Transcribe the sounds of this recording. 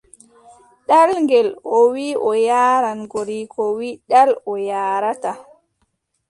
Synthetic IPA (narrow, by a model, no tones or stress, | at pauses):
ɗalŋɡɛlɔwiʔɔjaːɾanɡoɾikɔwiɗalɔjaːɾata